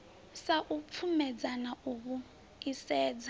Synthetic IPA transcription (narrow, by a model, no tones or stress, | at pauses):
saʔup̪fʰumɛd͡zanaʔuβu | isɛːd͡za